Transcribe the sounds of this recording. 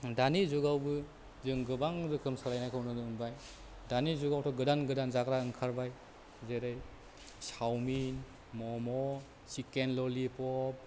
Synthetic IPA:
danizuɡawbɯ | zɯŋɡɯbaŋɾɯkʰɯmsaɾajnajkʰɯwnɯnɯːnbaj | danizuɡawtʰɔɡɯdanɡɯdanzakɾaɯŋkʰaɾbaj | zeɾɯj | sawmin | mɔmɔ | sikenlɔlipɔp̚

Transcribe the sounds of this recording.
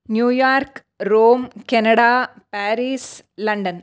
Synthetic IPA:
njuːjaːrk | roːmkenɐɽɐ | paːɾiːslɐɳɖɐn

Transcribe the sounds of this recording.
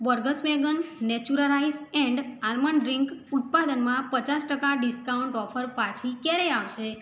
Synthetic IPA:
bəɾɡəsmɛɡənːɛt͡ʃuɾəlaizɛ̃ɳɖalməɳɖɾiŋkut̪̚pad̪ənmãpət͡ʃasʈəkaɖiskauɳʈɔfʰəɾpat͡ʃʰikɛɾɛaʋʃe

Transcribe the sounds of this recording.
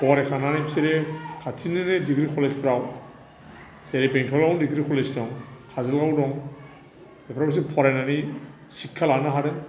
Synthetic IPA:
pɔɾekʰananepseɾekʰatʰinenediɡɾikʰɔlespʰɾaw | seɾebeŋtʰɔlɡawndiɡɾikʰɔlesdɔŋkʰazalɡawdɔŋ | bepʰɾabas̬ipʰɔɾajnani | sikʰːalanaɦaɾe

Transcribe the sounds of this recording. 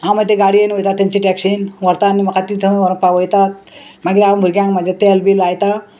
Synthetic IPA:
ãmət̪ːeɡaɽiəniɦojt̪at̪ːeɲt͡ɕiʈɛksinʋəɾt̪anːimɐkat̪it̪ʰəʋəɾəŋ̚paʋojt̪at̪̚maɡiɾãbʱuɾɡʲjãŋkməd̪jat̪elbilajt̪a

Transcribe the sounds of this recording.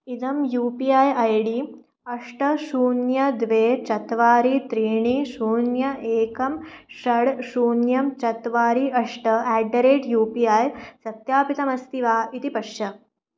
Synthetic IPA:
id̪ɐmjuːpiaːjɐjɖi | ɐʂʈɐʃuːnjɐd̪ʋeːt͡ʃɐt̪ʋaːɾit̪ɾiːɳiʃuːnjɐeːkɐmʃɐɽʃuːnjɐmt͡ʃɐt̪ʋaːɾiɐʂʈɐɛːɖːɐɾeːʈjuːpiaːjsɐt̪jaːpit̪ɐmɐst̪iʋaːit̪ipɐʃjɐ

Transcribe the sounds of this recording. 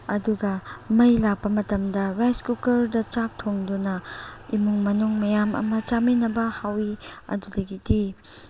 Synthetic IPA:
ɐduɡɐmɐjlak̚pɐmɐtɐmdɐɾajskukɐɾdɐt͡ʃak̚tʰoŋdunɐimuŋmɐnuŋmɐjamʔɐ̰mɐt͡ʃaminɐbɐhawiɐ̰dudɐɡidi

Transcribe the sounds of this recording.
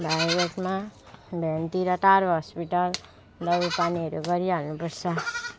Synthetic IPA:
bʱajbeʈma | bʱʌnt̪iɾʌʈaɾɦʌspiʈʌl | d̪ʌbupaniɦʌɾuɡʌɾianupʌrt͡sʰʌ

